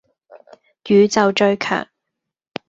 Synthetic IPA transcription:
jyː˨˧t͡sɐ˨wt͡ʃɵ˧ɥkʰœ̰ː˨˩ŋ

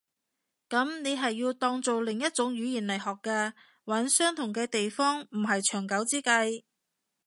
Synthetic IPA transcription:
kɐ˨˥mne˨˧jɦɐ˨jːiː˧wt̪ɔː˧ŋt͡so˨wlɪ˨˩ŋjɐ˥t̚t͡sʊ˨˥ŋjyː˨˧˥jiː˨˩nlɐ˨˩jɦɔː˨˩kkːaː˧ | wɐ˨˥nsœː˥ŋt̪ʰʊ˨˩ŋkɛː˧t̪e˨jfɔː˥ŋm̩˨˩ɦɐ˨jt͡ʃʰœː˨˩ŋkɐ˨˥wt͡siː˥kɐ˧j

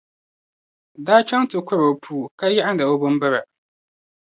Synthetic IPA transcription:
daː˦t͡ʃa˦ŋtɨ˨kʷʊ˦ɾa˨pʰuː˦˨ka˦ja˦ʔa˦n˦da˨o˦bɨ˦mbɨ˦ɾa˨

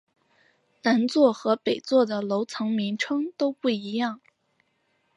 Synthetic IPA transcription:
na˧˥nt͡swɔ˥˩xɤ˧˥pe˨˩ɪt͡swɔ˥˩d̪ə˩lo˧˥ʊt͡sʰɤ˧˥ŋmi˧˥ŋʈ͡ʂʰɤ˥ŋt̪o˥ʊpu˥˩i˧˥jɑ˥˩ŋ

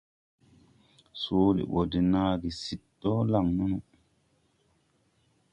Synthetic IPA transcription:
soː˦lḭ˨ɓo˨di˨naː˦ɡi˨si˨tːɔ˦la˨ŋnu˦nu˨

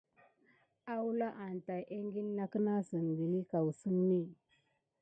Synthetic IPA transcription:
a˦wu˦la˦ʔa˨n˨ta˨jʔe˦ŋɡi˦nːa˦kə˦na˦sə˨n˨ɡi˨li˦ka˨wsə˦ŋni˦˨

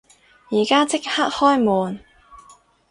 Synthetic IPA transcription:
jiː˨˩kaː˥t͡sɪ˥k̚haː˥k̚hɔː˥jmɔː˨˩n

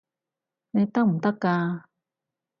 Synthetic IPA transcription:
ne˧t̪a˥m̩˨˩t̪a˦˥kːa˧

